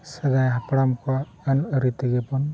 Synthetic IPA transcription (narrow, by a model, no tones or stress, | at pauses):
səd̪ajɦapɽamkɔ | ənəɾit̪əɡɛpɔn